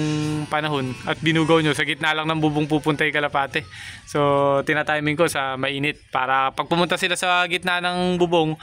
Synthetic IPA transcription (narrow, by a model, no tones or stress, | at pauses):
ŋpɐnɐɦo̞nɐt̪̚bɪnuːɡɐwɲːosɐɡɪt̪naːlɐŋnɐŋbʊboŋpuːpʊnt̪ɐjkɐlɐpaːt̪ɛso̞t̪ɪnaːt̪ajmɪŋko̞sɐmɐʔiːnɪt̪̚pa̰ːɾɐpɐɡ̚pʊmʊnt̪asɪlasɐɡɪt̪nanɐŋbʊboŋ